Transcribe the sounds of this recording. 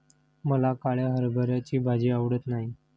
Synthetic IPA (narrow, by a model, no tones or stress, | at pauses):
məlakaɭjaɦəɾbʱəɾjat͡ɕiːbʱad͡ʑiːaʋɽət̪naɦi